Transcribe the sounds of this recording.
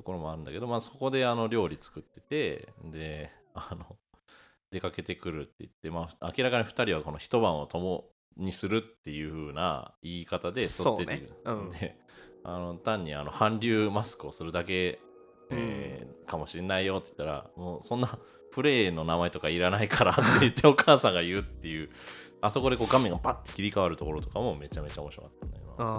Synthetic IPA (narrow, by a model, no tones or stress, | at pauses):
t̪oko̞ɾo̞mo̞aɾɯ̟̃nd̪ake̞d̪o̞maːso̞ko̞d̪e̞ano̞ɾʲo̞ːɾʲit͡sɨ̥kɯt̪ːe̞t̪e̞d̪e̞ | ano | d̪e̞kake̞t̪e̞kɯ̟ɾɯ̟t̪ːe̞it̪ːe̞maːɯakʲiɾakaɲ̟iɸɯ̥t̪aɾʲiβ̞ako̞no̞çi̥t̪o̞bãɰ̃o̞t̪o̞mo | ɲ̟isɨɾɯ̟t̪ːe̞jɯ̟ɸɯ̟ːna̰iːkat̪ad̪e̞sot̪ːet̪eiɾɯd̪eano̞t̪ãɲ̟ːia̰no̞hãnɾʲɨːmasɨ̥kɯ̟o̞sɨɾɯ̟d̪ak̬e̞ | ḛːkamo̞ɕinːaijo̞t̪ːoji̥t̪ːaɾa̰moːsõ̞nːa | ɸɯ̟ɾe̞ːno̞namae̞t̪o̞kaiɾanaikʰaɾat̪ːeɯ̟t̪ːe̞o̞kaːsãŋɡaijɯ̟t̪ːe̞jɯ̟ː | aso̞ko̞d̪e̞ko̞ːɡame̞ŋɡapat̪ːekʲiɾʲikaβaɾɯ̟t̪o̞ko̞ɾo̞t̪o̞kamo̞me̞t͡ɕame̞t͡ɕao̞moɕiɾokat̪ːana̰ima̰